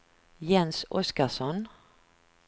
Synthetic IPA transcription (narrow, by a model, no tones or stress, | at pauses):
jɛnsʔɔskaʂɔn